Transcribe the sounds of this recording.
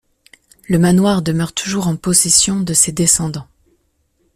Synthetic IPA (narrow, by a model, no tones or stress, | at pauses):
ləmanwaʁd̪əmœʁt̪ʰuʒuʁɑ̃pɔsɛsjɔ̃d̪əsed̪esɑ̃d̪ɑ̃